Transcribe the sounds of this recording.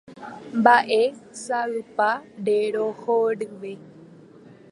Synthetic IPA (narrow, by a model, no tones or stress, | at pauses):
mbaʔesaɨpaɖeɾohoɖɨʋe